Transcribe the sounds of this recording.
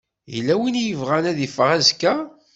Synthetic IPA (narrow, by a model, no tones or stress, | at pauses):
jlːæwinjəvʁænæðifəʁæzkːæ